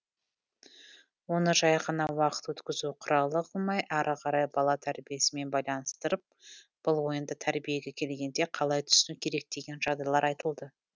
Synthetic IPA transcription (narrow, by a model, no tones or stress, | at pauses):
wonəʒɑjʁənɑwɑqə̥t̪wɵt̪kʲɪzuqʰʊɾɑlˠəqolˠmɑjʔæɾʔəqʰɑɾɑjbɑlˠɑt̪ʰæɾbije̞sɪme̞nbɑjlˠɑnəst̪əɾəp̚ | b̥ʊlˠwo̞jənd̪ət̪ʰæɾbije̞ɡʲe̞kʲʰe̞lɡʲe̞nd̪e̞qʰɑlˠɑjt̪ʰʏ̥sɪnukʲʰe̞ɾe̞k̚d̪e̞ɡʲe̞nʒ̥ɑʁd̪ɑjlˠɑɾɑjt̪əlˠd̪ə